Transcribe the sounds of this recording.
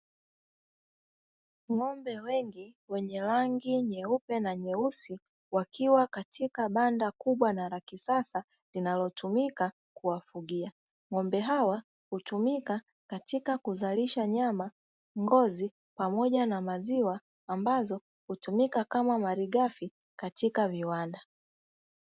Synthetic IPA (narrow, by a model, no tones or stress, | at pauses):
ŋɔmbɛwɛŋɡiwɛɲɛlaŋɡiɲɛupɛnaɲɛusi | wakiwakatʰikaɓandakuɓwanalakisasa | linalɔtumika | kuwafuɡia | ŋɔmbɛɦawa | hutumika | katikakuzaliʃaɲama | ŋɡɔzi | pamɔʄanamaziwaː | mbazɔ | hutumikakamamaɾiɡafi | katikaviwanda